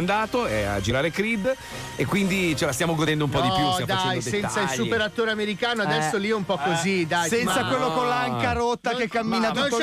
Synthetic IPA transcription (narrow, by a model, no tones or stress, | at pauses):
nd̪aːt̪oɛa̰d͡ʒiɾaːɾekɾid̪ | ekːwind̪it͡ʃelast̪jaːmoɡod̪ɛnd̪oumpɔd̪ipjutamd̪aaɛj̪sɛnt̪sailsupeɾat̪ːoːɾeameɾikaːnoad̪ɛsːoliɛumpɔkːozid̪ajsɛnsakwelːokolːaaŋkaɾot̪ːakekːamːiːnat̪u